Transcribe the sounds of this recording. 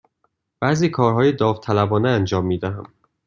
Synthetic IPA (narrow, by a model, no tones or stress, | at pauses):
b̥æziːkʰɒːɾɦɒːjed̪ɒːvt̪ʰælæbɒːneænd͡ʒɒːmːiːd̪æɦæm